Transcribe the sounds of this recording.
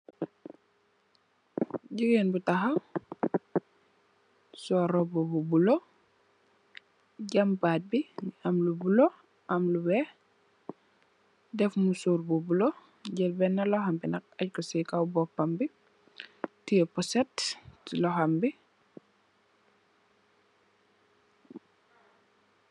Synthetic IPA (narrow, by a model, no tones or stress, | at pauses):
ɟiɡenbutaxɐw | sɔɾɔbububulo | ɟambaːt̚biamlubulo | ɐmluwɛ | dɛfmusuːɾbubulo | ɟɛlbɛnːɐlɔhambinɐk̚ac̚kɔsikawbɔpːambi | tiɛpɔsɛtlɔɦambi